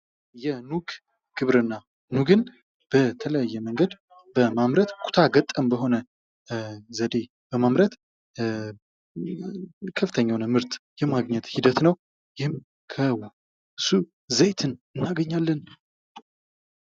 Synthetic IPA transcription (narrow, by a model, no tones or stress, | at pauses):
jɛnuɡ | ɡ̥ɨβɾɨnːa | nuɡɨn | b̥ət̪ʰələjajːɛməŋɡəd̪ | bəmamɾət̪kʰʼu̥t̪ʰaɡət̪ʼːəmbəɦo̞nə | zəd̪e̞ | b̥əmamɾət̪ | kʰəfɨt̪ʰəɲːawnəmɨɾt̪jɛmaɡɲɛt̪hid̪ət̪nəw | jɪhɨm | kʰəw | su | zəjt̪ʰɨnɨnːaɡəɲːalːən